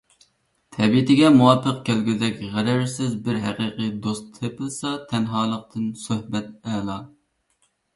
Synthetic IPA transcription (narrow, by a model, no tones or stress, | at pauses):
t̪ʰɛbiɪt̪ʰɪɡʲɛmuwɑpʰːəqkʲʰælɡʲizd̪ɛkʲʁæɾæɾsɪzbɪɾɦæqiːqʰijd̪ost̪ʰːepɪlˠsɑt̪ʰɛnɦɑːlˠəq̚t̪ʰɨnsøhbɛt̪ɛːlˠɑ